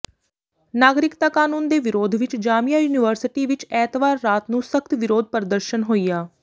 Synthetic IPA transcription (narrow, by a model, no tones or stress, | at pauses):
naːɡɾɪkt̪aːkaːnuːnd̪eːʋɪɾoːd̪ʱʋɪt͡ʃd͡ʒaːmijaːjuːnɪʋəɾsɪʈiːʋɪt͡ʃɛːt̪ʋaːɾːaːt̪nũːsəkt̪ʋɪɾoːd̪̚pəɾd̪əɾʃənɦoːiːaː